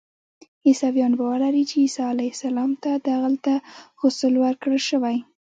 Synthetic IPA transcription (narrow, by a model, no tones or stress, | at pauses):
isɑwjɑnbawəlaɾit͡ʃeisɑalajsalɑmt̪ad̪aɣalt̪aɣosəlwaɾkɽəlʃəwaj